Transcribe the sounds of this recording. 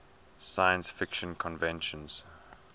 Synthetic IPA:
sajə̃nsfɪkʃə̃nkʰɔ̃nvɛ̃nʃə̃nz̥

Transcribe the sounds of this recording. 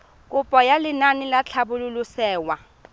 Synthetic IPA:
kʼʊpʼɔjalɪnanɪlat͡ɬʰabʊlʊlʊsɛːwa

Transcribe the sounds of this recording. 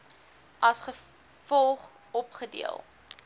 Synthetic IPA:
ʔɐsχə | fɔlˠχ | ɔpχədḭəlˠ

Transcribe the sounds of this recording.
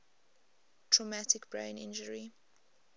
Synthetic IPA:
tʰɹɔmatɪkbɹẽɪ̃nɪ̰̃nd͡ʒəɹi

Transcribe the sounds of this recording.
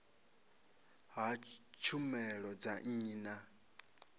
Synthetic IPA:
ɦat͡ʃʰumɛɺɔd͡zaŋ̩na

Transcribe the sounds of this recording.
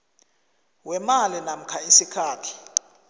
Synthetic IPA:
wɛmalinam̩kʰaisikʰaːtʰi̥

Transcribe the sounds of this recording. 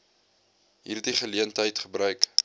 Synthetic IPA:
ɦḭːrtdiχəliəntɦəjtχəbrœɥk

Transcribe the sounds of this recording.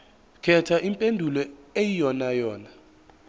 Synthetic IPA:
kʰɛtʰaʔimpʼendʱulɔejijɔnajɔːna

